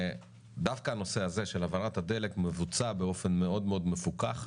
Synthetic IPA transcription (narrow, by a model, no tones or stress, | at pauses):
d̪afkaːno̞se̞aze̞ʃe̞lavalat̪had̪e̞le̞kmevut͡sabeo̞fe̞nme̞o̞d̪meo̞d̪me̞fukaχ